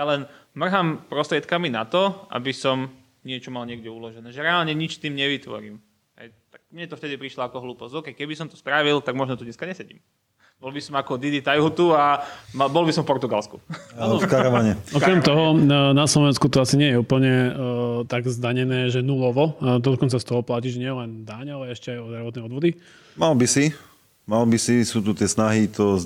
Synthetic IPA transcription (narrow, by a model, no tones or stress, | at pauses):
jalɛnmr̩ɦampɾɔst̪ɾɪɛt̪kaminat̪ɔʔa̰bisɔm | ɲɪɛt͡ʃɔmalɲɪɛɡɟɛulɔʒɛnɛːʒɛɾɛalɲɛɲit͡ʃst̪iːmɲɛʋit̪ʋɔ̰ɾḭːm | ɦɛ̰jt̪aɡ̚mɲɛt̪ɔft̪ɛd̪ipɾiʃlɔakɔɦluːpɔsɔkɛjkɛbisɔmt̪ɔ̥st̪ɾaʋilt̪aɡmɔʒnɔt̪uɲɛskaɲɛsɛɟḭːm | bɔlˠbisɔmakɔd̪id̪it̪ajɦut̪uamabɔlbisɔmfpɔɾt̪uɡalskṵkaɾɔʋaɲɛɔkkɾɛmt̪ɔɦɔnaslɔʋɛnskut̪ɔasiɲɪɛjɛuːpl̩ɲɛt̪aɡzd̪aɲɛnɛːʒɛnulɔʋɔd̪ɔd̪ɔkɔnt͡sast̪ɔɦɔplaciʒɛɲɪɛjɛlɛnd̪aɲalɛɛʃcɛajɔd̪ɾaʋɔt̪nɛɪɔd̪ʋɔd̪i | malbisi | malbisisuːt̪ut̪ɪɛsnaɦit̪ɔ